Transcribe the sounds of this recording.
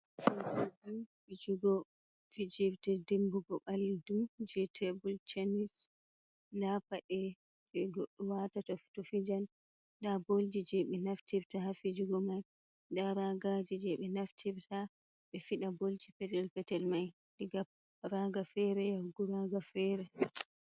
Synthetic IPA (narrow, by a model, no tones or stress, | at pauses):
ʔɛdadunfid͡ʒuɡɔ | fid͡ʒibtɛdimbuɡɔɓalːidud͡ʒɛtʰɛbult͡ʃanis | ndapaɗɛ | bɛɡoɗːuwatatɔftɔfid͡ʒan | dabold͡ʒid͡ʒɛɓɛnaftibtafid͡ʒuɡɔmaj | daɾaɡad͡ʒid͡ʒɛɓɛnaftʰibtʰa | ɓɛfiɗabold͡ʒipɛtɛlpɛtɛlmaj | diɡap | ɾaɡafɛɾɛjaɡuɾaɡafɛɾɛ